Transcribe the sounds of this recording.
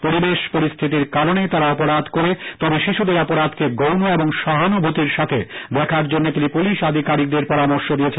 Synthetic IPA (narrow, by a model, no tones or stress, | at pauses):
poɾibeʃpoɾist̪ʰit̪̬iɾkaɾonet̪aɾaɔpoɾad̪koɾet̪ɔbeʃiʃud̪eɾɔpoɾad̪keɡownoeboŋʃɔɦanobʱot̪iɾʃat̪ʰed̪ɛkʰaɾd͡ʑonːot̪inipuliʃad̪ʱikaɾik̚d̪eɾpɔɾamoɾʃod̪ijet͡ɕʰen